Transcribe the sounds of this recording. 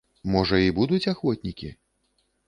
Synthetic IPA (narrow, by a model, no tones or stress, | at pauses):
mɔʐɐibud̪ut͡sʲaxvɔt̪ʲnʲikʲi